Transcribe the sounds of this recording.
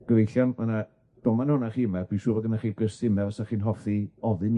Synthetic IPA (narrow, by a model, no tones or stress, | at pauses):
ɡ̥əvejɬjanmana | d̥ɔmanhʊnaχiːmab̥iʃuːvɔdənaχiːɡərsɪmɛvasaχiːnɦɔfiɔðɨn